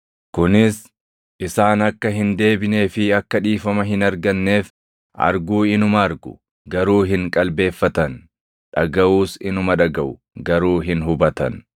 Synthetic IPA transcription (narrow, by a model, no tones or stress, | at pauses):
kʊnɪs | ʔɪsaːnɐkːɐɦɪnd̪e̞ːbɪne̞ːfɪɐkːɐᶑiːfɐmɐɦɪnɐɾɡɐnːe̞ːf | ʔɐ̰ɾɡuːɪnʊmɐːɾɡʊ̰ | ɡɐɾuːɦɪŋkʼɐlbe̞ːfːɐt̪ɐn | ᶑɐɡɐʔuːsɪnʊmɐᶑɐɡɐʔʊ | ɡɐɾuːɦɪnɦʊbɐt̪ɐ̰n